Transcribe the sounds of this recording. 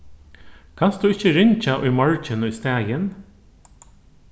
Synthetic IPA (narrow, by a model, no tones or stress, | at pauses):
kʰɑnstd̪ʉːɪçəɾɪɲc͡çaʔʏːmɔɹt͡ʃənʏst̪æːjən